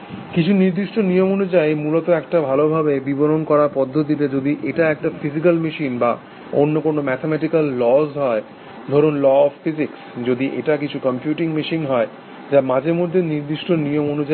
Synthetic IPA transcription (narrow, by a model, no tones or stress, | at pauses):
kit͡ɕʰuniɾd̪iʃʈonijomonud͡ʑajmulot̪oɛkʈabʱalobʱabebiboɾonkɔɾaɾpɔd̪ʱːot̪̬it̪ed͡ʑod̪iʔeʈaɛk̚ʈafizikalmiʃinba | onːokonomɛt̪ʰemɛʈikalːɔzɦɔe | d̪ʱɔɾonlɔɔfːiziksd͡ʑod̪iʔḛʈakit͡ɕʰukɔmpjuʈiŋmiʃinɦɔe | d͡ʑamãd͡ʑeɾmod̪ʱːeniɾd̪iʃʈonijomonud͡ʑa